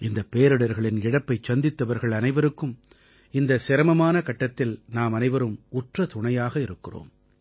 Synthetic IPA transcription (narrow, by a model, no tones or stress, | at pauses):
ɪnd̪ɐpːeːɾɯɽɐɾɣɐɭɪnɪɽɐpːɐɪt͡ʃːɐnd̪ɪt̪ːɐʋɐɾɣɐɭɐnɐɪʋɐɾɯkːɯm | ɪnd̪ɐsɪɾɐmɐmaːnɐkɐʈːɐt̪ːɪlnaːmɐnɐɪʋɐɾɯmʊʈrɐt̪ʊɳɐjaːɣɐɪɾɯkːɪro̰ːm